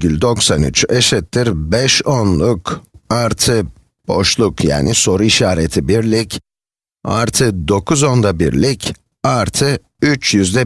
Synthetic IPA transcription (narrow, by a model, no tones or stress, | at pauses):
ylʲd̪o̞ksany̰t͡ʃeʃɛt̪ʰːiɾbɛʃonlˠukaɾt̪ʰɯ | b̥o̞̰ʃlˠukja̰ːnʔiso̞ɾuiʃaːɾet̪ʰibiɾlʲic | a̰ɾt̪ʰɯd̪o̞kʰuzo̞nd̪abḭɾlʲic | aɾt̪ʰɯ | yt͡ʃjyzd̪ɛ